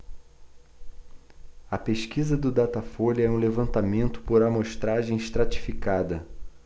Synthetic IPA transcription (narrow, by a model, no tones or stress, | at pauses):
ɐpeʃkizɐd̪ʊd̪at̪ɐfolɐɛũlevɐ̃nt̪amẽnt̪ʊ̥poɾɐmoʃt̪ɾaʒẽj̃iʃt̪ɾat͡ʃi̥fikad̪ɐ